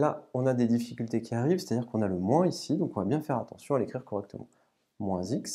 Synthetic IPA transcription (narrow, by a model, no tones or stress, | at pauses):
laɔ̃nad̪ed̪ifikʲylt̪ekʲʰiaʁivse̥t̪ad̪iʁkɔ̃naləmwɛ̃isid̪ɔ̃kɔ̃vabjɛ̃fɛʁat̪ɑ̃sjɔ̃alekχiʁkɔʁɛk̚t̪əmɑ̰̃ | mwɛ̃ziks